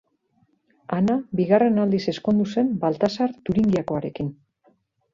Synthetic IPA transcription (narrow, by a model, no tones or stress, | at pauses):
anaβiɣare̞nald̪ise̞sko̞nd̪use̞mbalt̪asaɾt̪uɾiŋɡiako̞aɾe̞kin